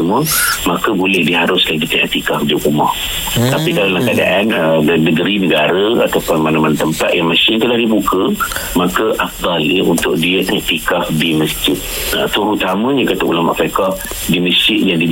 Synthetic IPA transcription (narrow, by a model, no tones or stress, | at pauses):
əmũəmakəbolɛhdiɦaɾʊskanɡit̪əʔɛ̰ʔ̚t̪ikafdiukumɔh | t̪apikalalaŋkada̰ʔanədnəɡəɾinəɡaɾəa̰t̪apʊnmanamant̪əmpat̪̚jaŋmasɪŋt̪əlahdibukəmakəʔafd̪ˤɑləunt̪ʊk̚diəɛʔt̪ikafdiməsd͡ʒɪt̪̚ | at̪uɾut̪amə̃ɲə̃kat̪əʔṵlama̰ʔpakah | diməsd͡ʒɪʔ̪̚jadi